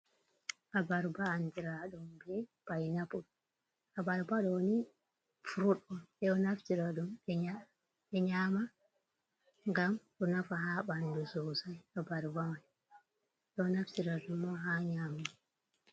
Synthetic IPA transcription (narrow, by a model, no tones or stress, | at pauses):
ʔabaɾbaːndiɾaɗɔmbɛb̥ajnapuɗ | abaɾbaɗɔni | fuɾuɗɔnɛɔnaftiɾaɗumɛa | ɛɲaːma | ŋɡamɗɔnafaɦaɓandusɔːsajabaɾbamaj | ɛɔnaftiɾaɗumːɔɦaɲaːma